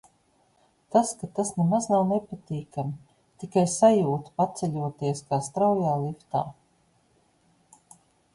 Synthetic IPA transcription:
t̪askat̪asnemaznawnepat̪iːkami | t̪ikajsajuːt̪pat̪sʲɛlʲuɔt̪iɛskaːst̪ɾawjaːlˠift̪aː

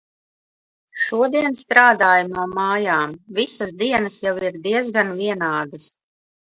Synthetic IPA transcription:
ʃuɔd̪iɛnst̪ɾaːd̪aːjnuɔmaːjaːmvisasd̪iɛnasjawiɾd̪iɛzɡanvʲiɛnaːd̪as

